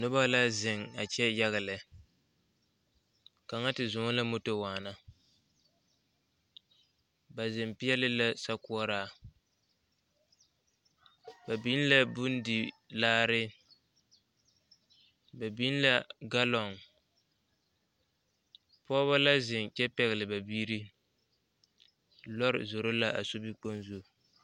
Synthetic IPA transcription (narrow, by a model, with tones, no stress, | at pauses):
nʊ˦ba˦la˦zɪ˨ŋa˨t͡ʃɛ˦ja˦ɣa˨lɪ˨ | ka˨ŋa˦tɪ˨zʊ˨ŋ˦la˦mʊ˦to˦waː˨na˦ | ba˨zɪ˨mpɪ˦ɛ˦lɪ˦la˦sa˦ku˦ɔ˦ɾaː˦˨ | ba˨bi˦n˦la˦bʊ˦n˦di˨ | laː˦ɾɪ˦ | ba˨bi˦n˦la˦ɡa˦lɔ˨ŋ | pɔː˦βa˦la˦zɪ˨nt͡ʃɛ˦pɛ˨ɣɪ˨lɪ˨ba˨biː˦ɾi˦ | lɔ˦ɾɪ̰˨zo˨ɾo˦la˦ʔa̰˨so˦bi˦k͡po˦nzo˦˨